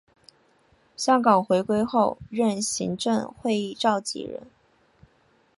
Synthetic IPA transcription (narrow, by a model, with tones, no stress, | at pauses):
ɕjɑ˥ŋkɑ˨˩ŋxwe˧˥ɪkwe˥ɪxo˥˧ʊɻə˥˩nɕḭ˧˥ŋʈ͡ʂɤ˥˧ŋxwe˥˧ɪi˥˧ʈ͡ʂɑ˥˩ʊt͡ɕḭ˨˩ɻə̰˧˥n